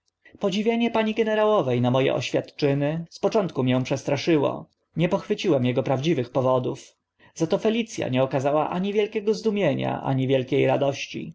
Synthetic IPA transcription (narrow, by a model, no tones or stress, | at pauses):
pɔd͡ʑivʲjeɲɛpaɲiɡɛnɛɾawɔvɛjnamɔjɛ̰ʔɔ̰ɕfʲjat̪t͡ʂɘnɘspɔt͡ʂɔnt̪̚kumʲjɛw̃pʂɛst̪ɾaʂɘwɔ̰ | ɲɛpɔxfɘt͡ɕiwɛmjɛɡɔpɾavd͡ʑivɘxpɔvɔd̪uf | zat̪ɔfɛlʲit̪sʲja̰ɲɛɔkazawaʔaɲivʲjɛlkʲɛɡɔzd̪umʲjeɲa̰ʔa̰ɲivʲjɛlkʲejɾad̪ɔɕt͡ɕḭ